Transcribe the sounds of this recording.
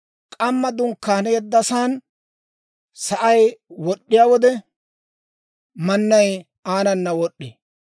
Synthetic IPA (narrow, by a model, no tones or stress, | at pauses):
kʼɐmːɐd̪ʊŋkːaːnɛjɛd̪ːɐsaːn | sɐʔɐjwɔɗːɪjaːwɔd̪ɛ | mɐnːɐj | aːnɐnːɐwɔɗːḛː